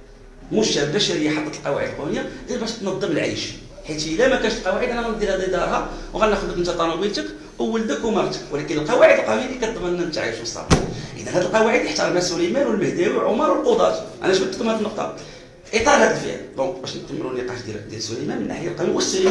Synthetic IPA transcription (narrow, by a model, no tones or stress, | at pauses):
muʃæbæʃiɾəjːaħɑt̪ːˤɑt̪əlqɑwa̰ʕəd̪əlqunəjad̪ælbæʃt̪nɑd̪ˤːəməlʕa̰jʃ | ħit̪əlæmækænəʃəlqɑwaʕəd̪ʔænænnd̪ˤilhæd̪id̪ɑɾˤhɑwɣælnəxəd̪ət̪nt̪æt̪ˤːɑnɑbilt̪ək | wwːəld̪əkumɑɾˤt̪ə̥kwəlækənəlqɑwaʕəd̪əlqɑwinikæt̪d̪ˤmənnːænt̪ʕa̰jʃwəsˤɑ̰bʔə̰d̪ænhæd̪əlqɑwaʕəd̪jəħt̪ɑɾmæsulæjmænwəlməhd̪æwilʕomɑɾˤwəlqod̪ˤɑ̰t̪ʔæ̰næʃbət̪əkəmhæd̪ənːoq̚t̪ˤɑ̰ | ʔit̪ˤɑɾˤhæd̪əlfḭʕə̰ld̪ɔ̃kbæʃnət̪ːəmːə̰nunːiqɑʃd̪d̪jælsulæjmænmənːa̰ħəjælqɑwiwəsːi